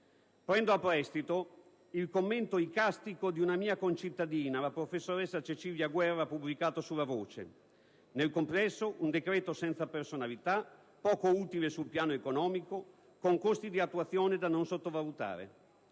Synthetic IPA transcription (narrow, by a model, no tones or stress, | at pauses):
pɾɛnd̪oapːɾɛst̪it̪o | ilkomːent̪oikast̪ikod̪iunamiːakont͡ʃit̪ːad̪iːnalapɾofesːoɾɛsːat͡ʃet͡ʃiːvjaɡwɛrːapublikaːt̪osulːavoːt͡ʃḛ | nelkomplɛsːoʔund̪ekɾɛːt̪osɛnt̪sapersonalit̪a | pɔːkouːt̪ilesulpjaːnoekonɔːmiko | koŋkost̪id̪iat̪ːuat̪sːjoːned̪anonsot̪ːovalut̪a̰ːɾḛ